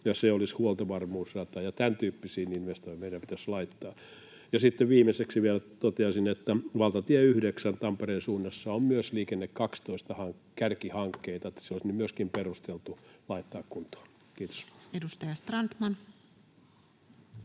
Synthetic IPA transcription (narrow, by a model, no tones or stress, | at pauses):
jɑseolishuolt̪ɑʋɑrmuːsrɑt̪ɑjɑt̪ænt̪yːpːisiːninʋest̪oimeiɾæmpit̪æslɑit̪ːɑː | jɑsit̪ːeʋʋiːmeseksiʋielt̪ot̪eɑsinet̪ːæʋɑlt̪ɑt̪iæyhdeksænt̪ɑmpereːnsuːnːɑsːɑommyøsliːkenːekkɑkst̪oist̪ɑhɑŋkærkihɑŋkːeit̪ɑet̪ːæ̥seolisnymyøskimperust̪elt̪ulɑit̪ːɑːkkunt̪o̥ː | kiːt̪o̥sedust̪ɑjɑst̪rɑnt̪mɑn